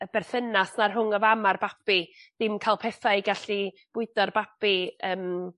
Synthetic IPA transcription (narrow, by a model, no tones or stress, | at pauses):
əb̥ɛrθənasnarɦʊŋəvamarbapid̥ɪmkʰajlˠpʰɛθaɨɡaɬi | b̥ʊɨdɔrbapiəːm